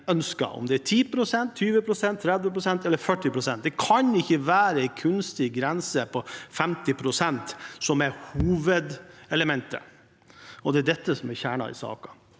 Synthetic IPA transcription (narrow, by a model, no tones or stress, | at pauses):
œnskɑ̰ɔ̰md̪ɛæʈʰiːpʰɾʊsɛnt̪ʰːyːʋəpʰɾʊsɛnt̪ʰːɾɛd̪ʋəpɾʊsɛnt̪ɛlːəɾfœʈːɪpɾʊsɛnt̪̚d̪ɛkʰɑnɪçːəʋæːɾəɛɪkʰʉnst̪ɪɡɾɛnsəpʰɔfɛmt̪ɪpʰɾʊsɛnt̪sɔmæɾhuːʋəd̪ɛləmɛnt̪ə̰ | ɔd̪ɛæɖɛt̪ːəsɔmæɾçæːɳɑ̰ɪ̰sɑ̰ːkɑ